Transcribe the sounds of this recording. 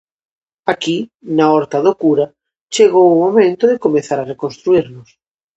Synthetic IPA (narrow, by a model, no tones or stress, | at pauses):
akinaɔɾt̪aðokuɾa | t͡ʃeɣowumomẽnt̪ʊðɪkomeθaɾarekonst̪ɾuiɾnʊs